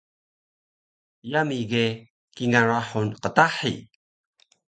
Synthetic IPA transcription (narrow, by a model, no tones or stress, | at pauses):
jamiɡe | kiŋaɾaħunqətaħḭ